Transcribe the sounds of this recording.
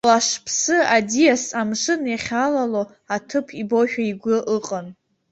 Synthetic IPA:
laʂpʰsɨadijasamʂɨnjaχʲalalo | atʰɨpʰibo̞ʃᶣaiɡʷʊʔɨqʼan

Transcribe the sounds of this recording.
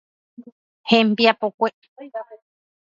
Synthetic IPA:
hẽmbiapokʷe

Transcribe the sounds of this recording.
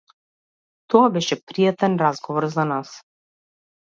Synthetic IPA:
t̪ɔabɛʃɛpɾijat̪ɛnɾazɡɔvɔɾzanas

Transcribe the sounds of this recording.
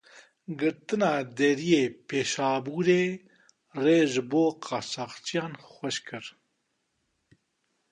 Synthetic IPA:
ɡɨɾt̪ɨnɑːd̪ɛɾijeːpʰeːʃɑːbuːɾeː | reːʒɨboːqʰɑːsaːqt͡ʃʰijɑːnxʷɛʃkʰɨɾ

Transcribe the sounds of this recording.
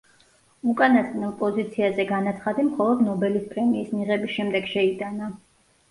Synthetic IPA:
ukʼanasʼnɛlˠpʼɔzit̪sʰiazɛɡanat̪sʰχad̪imχɔlˠɔd̪nɔbɛlispʼɾɛmiːsmiʁɛbisʃɛmd̪ɛɡʃɛit̪ʼana

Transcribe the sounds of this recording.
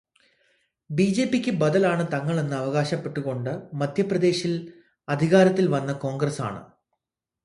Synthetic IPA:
biːd͡ʑe̞ːpːikʲːɨbɐd̪ɐlaːɳɨt̪ɐŋːɐɭe̞nːɨɐʋɐɣaːɕɐpːe̞ʈːuɣo̞ɳɖɨmɐd̪ʱjɐprɐd̪e̞ːɕil | ɐd̪ʱiɣaːɾɐt̪ːilʋɐnːɐko̞ːŋɡrɐsa̰ːɳɨ̰

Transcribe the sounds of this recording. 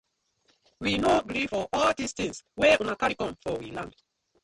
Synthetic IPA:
winoɡɾifɔʔɔldistĩŋswɛũnakaɹikɔ̃mfɔwilãnd

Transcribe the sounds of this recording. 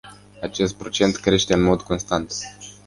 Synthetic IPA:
at͡ʃe̞st̪̚pɾo̞t͡ʃe̞nt̪kɾe̞ʃt̪e̞ɨnmo̞d̪ko̞nst̪ant̪

